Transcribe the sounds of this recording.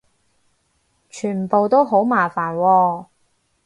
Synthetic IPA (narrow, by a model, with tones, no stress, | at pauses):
t͡ʃʰyː˨˩nm̩˨˩po˨wt̪o˥wɦo˨˥wmaː˨˩faː˨˩nwɔː˧